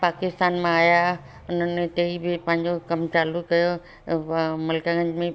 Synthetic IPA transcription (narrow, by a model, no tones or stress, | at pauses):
paːkɪst̪aːnmãaːja | ʊnənːẽt̪eːibʱɪpɐ̃ɦɪ̃ɲd͡ʑokɐmt͡ʃaːlukkɐjo | mɐlkãɡə̃ɲd͡ʒmẽ